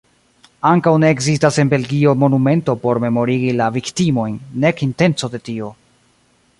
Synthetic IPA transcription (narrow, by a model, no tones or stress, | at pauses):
aŋkawne̞ːkzistase̞nbe̞lɡio̞mo̞nume̞nto̞po̞ɾme̞mo̞ɾiɡilaviktimo̞jnːe̞kinte̞nt͡so̞de̞tio̞